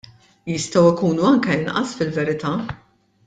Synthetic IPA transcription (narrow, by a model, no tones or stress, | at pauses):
jɪst̪ɐwɪkuːnuɐŋkɛɪnʔɐ̰sfɪlvɛɾɪt̪ɐ